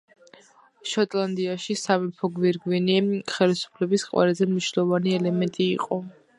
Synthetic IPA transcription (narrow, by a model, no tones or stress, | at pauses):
ʃɔt̪ʼlˠand̪iaʃisamipʰɔɡviɾɡwiniχɛlisu̥pʰlɛbisqʼwɛ̰ɾazɛmniʃnɛlˠɔvaniɛlɛmɛnt̪ʼḭːqʼɔ